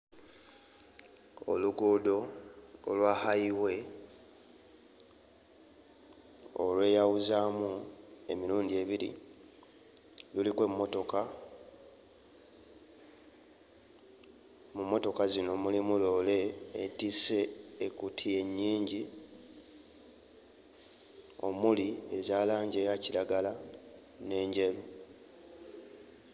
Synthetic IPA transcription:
o̞̰luɡoːdo̞o̰lwaːhaiwe̞ | o̰lwe̞ːjawuzaːmue̞miɾuːndie̞βiɾḭ | lulikwe̞mːo̞to̞ka | mumːo̞to̞kazino̞mulimulo̞le̞ːtise̞ːkutʰije̞ɲːiːɲɟi | o̞̰mulie̞zaːlaːɲɟe̞ːjaciɾaɡala | ne̞ːɲɟelu

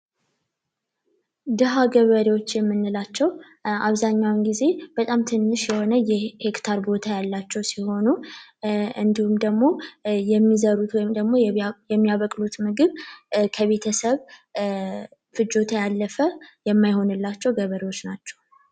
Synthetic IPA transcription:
d̪ɨɦaɡəβəɾewo̞t͡ʃːjɛmːɨnːɨlat͡ʃːɛw | ʔaβzaɲːawnɡize̞b̥ət̪ʼamt̪ʰɨnːɨʃjɛho̞nəjɛhekt̪ʰaɾbo̞t̪ʰajalːat͡ʃːɛwsiho̞nu | ɨnd̪ihumd̪əɡmo̞jɛmːizəɾut̪wɔjmd̪əɡmo̞jjɛmːijaβəkʼlut̪mɨɡɨβkʰəβe̞t̪ʰəsəβ | fɨd͡ʒo̞t̪ʰajalːəfəjɛmːajho̞nɨlːat͡ʃːɛwɡəβəɾewot͡ʃːnat͡ʃːɛ̥w

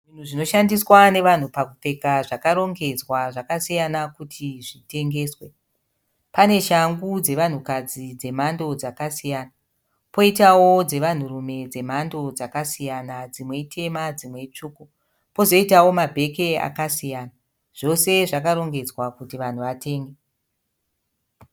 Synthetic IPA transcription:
ʐin̤uʐino̞ʃandiswane̞ʋan̤upakupe̞kaʐakaɾo̞ŋɡe̞d͡zwaʐakasijanakutʰiʐite̞ŋɡe̞ːswe̞ | pane̞ʃaŋɡud͡ze̞ʋan̤ukad͡zid͡ze̞mando̞d͡zakasijana | po̞itawod͡ze̞ʋan̤urume̞d͡ze̞m̤ando̞d͡zakasijanad͡zimwe̞itʰe̞mad͡zimwe̞t͡ʂuːku | po̞zo̞itawo̞mabʱe̞ke̞a̰kasijaːna | ʐ̥o̞se̞ʐakaɾo̞ŋɡe̞d͡zwakutiʋan̤uʋatʰe̞ːŋɡe

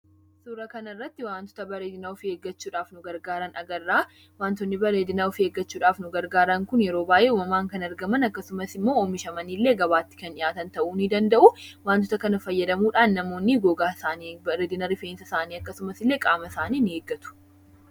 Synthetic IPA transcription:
suːɾɐkɐnɐɪrːɐt̪ːɪwaːnt̪ɔ̥t̪ɐbɐɾeːd̪ɪnaːʊfɪe̞ːɡːɐt͡ʃːuːᶑaːfnʊɡɐɾɡaːɾɐnʔɐ̰ɡɐrːaː | waːnt̪ɔnːɪbɐɾeːd̪ɪnaːʊfɪeːɡːɐt͡ʃːuːᶑaːfnʊɡɐɾɡaːɾɐŋkʊnjɛɾo̞ːbaːjʔeːuːmɐmaːŋkɐnɐɾɡɐmɐnɐkːɐsʊmɐsɪmːoːomɪʃɐmɐniːlːe̞ːɡɐβaːt̪ːɪ̥kɐnɪjaːt̪ɐnt̪ɐʔuːnɪd̪ɐnd̪ɐʔʊwaːnt̪̬ɔt̪ɐkɐnɐfɐjːɐd̪ɐmuːᶑaːnːɐmo̞ːnːɪɡoːɡaːsaːnibɐɾeːd̪ɪnɐɾɪfeːnsɐsaːniːɐkːɐsʊmɐsɪlːe̞ːkʼaːmɐsaːniːnɪeːɡːɐt̪ʊ̥

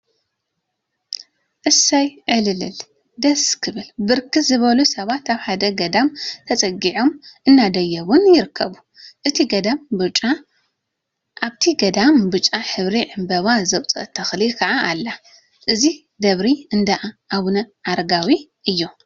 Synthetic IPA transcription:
ʔɨsajʕɨlɨlɨ̰l | d̪ɐskʰɨβɨlbɨɾkɨzɨβɐlusɐβat̪aβħad̪ɐɡɐd̪amt̪ʰɐt͡sʼɐɡiʕo̞mʔɨnːad̪ɐjːɐwʊnjɪɾɨkʰːɐβu | ʔɨt̪ʰiɡɐd̪ambut͡ʃʼa | ʔaβt̪ʰiɡɐd̪ambut͡ʃʼːaħɨβɾiʕɨmbɐβazɐwt͡sʼɐ̰t̪ʰːɐxlikʰɐʕaʔalːa | ʔɨzi | d̪ɐβɾiɨnd̪aʔaʔaβnɐʕaɾɡawiʔɨjːo

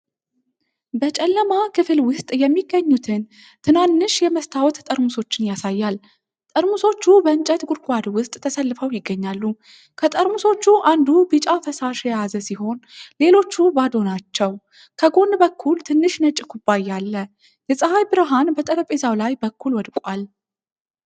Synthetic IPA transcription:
bət͡ʃʼɛlːəmakʰɨfɨlwʊst̪ʼjɛmːiɡːəɲːut̪ʰɨn | t̪ʰɨnanːɨʃjɛməst̪ʰawt̪t̪ʼəɾmuso̞t͡ʃːɪnjasajːal | t̪ʼəɾmuso̞t͡ʃːubəɨnt͡ʃʼət̪ɡuɾkʷʼwad̪wʊst̪ʼt̪ʰːəsəlːɨfəwjɪɡːəɲːalːu | kʰət̪ʼəɾmuso̞t͡ʃːuʔand̪ubɨt͡ʃʼafəsaʃjjazəsiɦo̞nle̞lo̞t͡ʃːubad̪o̞nat͡ʃːɛw | kʰəɡo̞nbəkʰːult̪ʰɨnːɨʃnət͡ʃʼɪkʰubːajːalːə | jɛsʼəhajbɨɾəɦanbət̪ʼəɾəpʼezawlajbəkːulwɔd̪kʼal

